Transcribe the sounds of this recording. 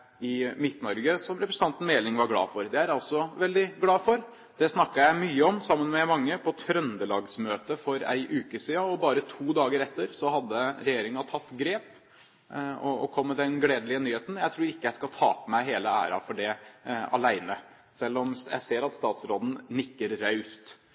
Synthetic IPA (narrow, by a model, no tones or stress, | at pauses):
ɪmɪt̪nɔɾɡəsɔmɾɛpɾɛsənɑnt̪n̩meːlɪŋʋɑɾɡlɑ̰ːfɔɾd̪ɛæɾɑlsɔʋɛld̪ɪɡlɑːfɔɾ | d̪ɛsnɑkːɑjæɪmyːəɔmsɑmːənmɛmɑŋːəpʰɔt̪ʰɾœnd̪əlɑːɡsmøːt̪əfɔɾæ̰ɪʔʉːkəsiːɑɔbɑːɾət̪ʰuːd̪ɑːɡəɾɛt̪ːəɾsɔhɑd̪ːəɾɛjeːɾɪŋɑt̪ʰɑt̪ːɡɾeːp | ɔɔkʰɔmːəd̪ɛnɡleːd̪əlɪənyːheːt̪n̩jæɪt̪ʰɾuːɾɪkːəjæɪskɑlt̪ʰɑ̰ːpəmæɪɦeːləæ̰ːɾɑ̰fɔɖɛɑ̰læɪnə | sɛlːɔmjæ̰ɪseːɾɑt̪st̪ɑːt̪sɾoːd̪n̩nɪkːəɾːœʉst̪